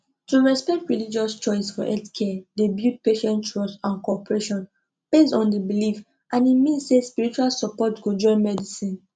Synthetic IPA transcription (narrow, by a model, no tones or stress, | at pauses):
tuɹɛspɛ̃ntɹilid͡ʒɔst͡ʃɔɪsfɔʔɛltkʰɛdebjut̚peʃɛ̃ntɹɔsãnkɔpəɹeʃɔ̃n | b̥esɔ̃ndibilif | ʔãnimĩnssespiɹit͡ʃualsɔpɔtɡod͡ʒɔ̃ɪ̃nmɛdisĩn